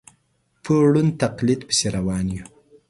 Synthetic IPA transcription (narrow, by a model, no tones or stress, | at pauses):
pʰəɽunt̪aqlid̪pə̥seɾawɑːnju